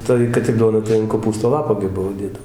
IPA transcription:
ˈtɐɪ kɐt ɪr ˈduɔnɐ tɐɪ ɐn koːˈpuːstoː ˈlˠɑːpoː ɡʲɪ ˈbʊʋoː ˈdʲeːdɐw

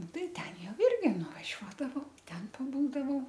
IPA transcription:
ˈnʊ ˈtɐɪ ˈtʲɛn ˈjɛʊ ˈɪrʲɡʲɪ nʊʋɐˈʒʲuɔdɐʋɐʊ ˈtʲɛn pɐˈbuːdɐʋɐʊ

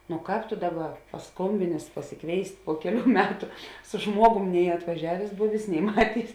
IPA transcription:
noː ˈkɑːp toː ˈdɑːˌbɐ pɐˈskoːmʲbʲɪnʲeːs pɐsʲɪˈkʋʲeːɪsʲtʲ poː ˈkʲæːˌlʲuː ˈmʲæːtʊ sʊ ˈʒmuɔɡʊm nʲɛɪ ɐtʋɐˈʒʲæːʋʲeːs ˈbʊʋʲeːs nʲɛɪ ˈmɑːtʲeːɪs

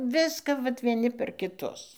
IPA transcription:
ˈʋʲɪskɐ ʋɐt ʋʲiɛˈnʲɪ pʲɛr kʲɪˈtʊs

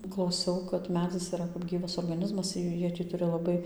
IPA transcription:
klˠɐʊˈsʲɛʊ kɐt ˈmʲæːd͡zʲɪs iːˈrɐ kɐp ˈɡʲiːʋɐs oːrɡɐˈnʲɪzmɐs ɪr jɛʊ ˈjiɛ tʲɪ ˈtʊrʲɪ lˠɐˈbɐɪ

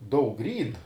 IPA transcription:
ˈdɐʊk ˈrʲiːn

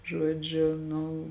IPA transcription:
ˈʒuɔd͡ʒʲʊ ˈnʊ

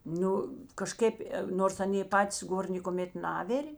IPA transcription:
ˈnʊ kɐˈʃʲkʲeːp ˈnoːrs ˈɑːnʲeː ˈpɑːtʲɪs ˈɡoːr nʲeːkoːˈmʲeːt ˈnɑːʋʲɪrʲeː

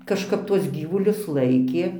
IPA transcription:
kɐʃˈkɐp ˈtuɔs ˈɡʲiːʋʊlʲʊs ˈlˠɐɪkʲeː

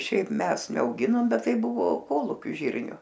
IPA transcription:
ˈʃʲɛɪp ˈmʲɛs nʲɛɐʊˈɡʲɪnoːm ˈbʲɛt ˈtɐɪ ˈbʊʋoː ˈkoːlˠuːkʲʊ ˈʒʲiːrʲnʲʊ

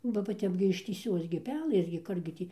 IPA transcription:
ˈbɐ bɐ ˈtʲɛp ɡʲɪ ɪʃʲtʲiːˈsʲoːs ɡʲɪ ˈpʲæːlˠɘs ɡʲɪ ˈkʊr ɡʲɪ ˈtʲiː

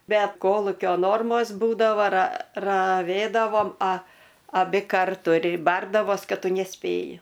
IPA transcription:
ˈbʲɛt ˈkoːlˠʊkʲoː ˈnoːrmoːs ˈbuːdɐʋoː rɐ rɐˈʋʲeːdɐʋoːm ɐ ɐˈbʲɪ ˈkɐrtʊ ɪr ˈbɐrdɐʋoːs ˈkɐt ˈtʊ nʲɛˈsʲpʲeːjɪ

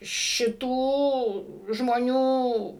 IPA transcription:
ʃʲɪˈtuː ʒmoːˈnʲuː

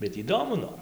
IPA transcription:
bʲɛt iːˈdoːmʊ ˈnoːr

